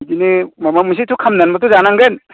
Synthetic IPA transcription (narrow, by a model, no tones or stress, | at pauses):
dinimamamis̬itʰukʰamnanmat̬uzanaŋɡen